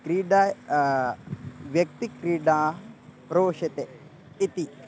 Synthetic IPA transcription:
kɾiːɖaː | ʋjɐk̚t̪ikɾiːɖaːpɾoːʃɐt̪e | it̪i

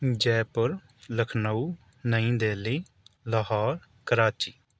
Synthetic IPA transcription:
d͡ʒɛːpəɾ | ləkʰnauː | nəĩːd̪eːliː | ləɦaːɾ | kəɾaːt͡ʃiː

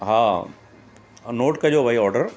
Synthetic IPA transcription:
ɦaː | noːʈkɐd͡ʑoːʋɐiɔːɾɖəɾ

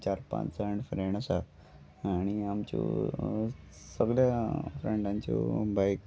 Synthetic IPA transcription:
t͡ɕaɾpã̰t͡ssaɳɖfɾeɳəsa | aɽ̃iamt͡ɕṵ | səɡljafɾeɳɖãɲt͡ɕo̰bajk

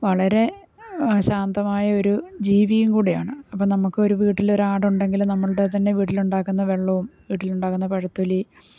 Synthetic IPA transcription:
ʋɐɭɐɾe̞ | ɕaːnd̪ɐmaːjɐo̞ɾud͡ʑiːʋijumkuːɽija̰ːɳɨɐpːoːɭnɐmukːɨo̞ɾuʋiːʈːilo̞ɾuaːɽuɳɖe̞ŋɡilmnɐmːɐɭʈet̪ɐnːe̞ʋiːʈ̬ːiluɳɖaːkːunːɐʋe̞ɭːɐʋumʋiːʈːiluɳɖaːkːunːɐpɐɻɐt̪ːuli

